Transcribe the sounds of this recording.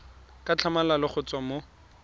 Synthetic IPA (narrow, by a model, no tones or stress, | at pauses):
kʼat͡ɬʰamalalɪχʊt͡swamo